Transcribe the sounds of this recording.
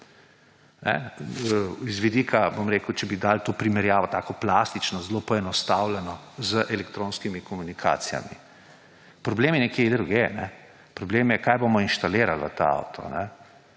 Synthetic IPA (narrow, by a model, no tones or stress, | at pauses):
nɛ̰ | izʋid̪iːkʰabomɾeːkəwt͡ʃɛbid̪alt̪oːpɾimɛɾjaːʋɔt̪aːkɔplaːst̪it͡ʃnɔzloːpɔɛnɔst̪aːwlɛnɔzəʔɛlɛkt̪ɾoːnskimikɔmunikʰa̰ːt̪sija̰mḭ | pɾɔbleːmjɛnɛkjed̪ɾuɡenɛ | pɾɔbleːmjɛkaːjbomɔinʃt̪aleːɾalʋə̰t̪a̰a̰wt̪ʰɔ̰nɛ